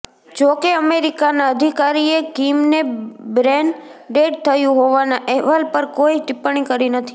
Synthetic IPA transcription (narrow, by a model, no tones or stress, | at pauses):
d͡ʒokeəmeɾikanaəd̪ʱikaɾiekimnebɾɛnɖeɖ̚t̪ʰəjũɦoʋanaʔɛɦʋalpəɾkoiʈɪpɳ̃ikəɾinət̪ʰi̥